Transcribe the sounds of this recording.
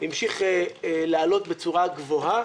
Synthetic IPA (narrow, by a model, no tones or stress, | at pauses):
imʃiχelaːlo̞t̪bet͡suʁaɡvo̞ɦa